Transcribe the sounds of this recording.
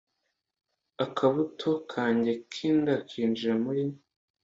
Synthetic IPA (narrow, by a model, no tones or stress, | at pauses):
akʰaβutʰokʰaːɲɟekʰiːndakʰiːnd͡ʒemuɾin